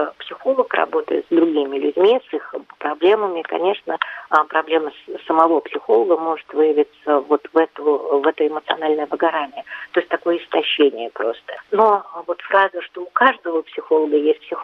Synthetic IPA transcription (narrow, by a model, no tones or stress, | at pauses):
psʲɪxo̞lˠəkrɐ̰bo̞t̪ə̰jɪ̰t̪zd̪ɾʊɡʲimʲɪlʲʉdʲmʲisixpɾɐblʲeməmʲɪkɐ̰nʲe̞ʂnəpɾɐblʲe̞məssːəmɐvo̞psʲɪxo̞lˠəɡəmo̞ʐɨt̪vɨjɪvʲɪt̪səvo̞t̪vɛt̪ʊvɛt̪əɪmət̪sɨɐ̰nalʲnəjəvəɡɐɾanʲɪət̪oɪsʲtʲt̪ɐko̞jəɪst̪ɐɕːenʲɪjəpɾo̞st̪ə̥no̞vo̞t̪fɾazəʂt̪o̞ʊkaʐd̪əvəpsʲɪxo̞lˠəɡəjesʲt̚ʲpsʲɪx